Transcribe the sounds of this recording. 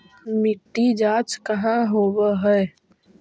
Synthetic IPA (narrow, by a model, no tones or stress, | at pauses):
mɪʈːid͡ʒaːt͡ʃkəɦãɦoːbəɦɛː